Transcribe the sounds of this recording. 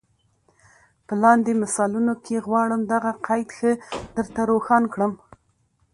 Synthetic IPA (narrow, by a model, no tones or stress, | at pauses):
pəlɑnd̪emɪsɑlunokʰeɣwɑɽəmd̪aɣaqajd̪xəd̪̥əɾt̪aɾoxɑnkɽəm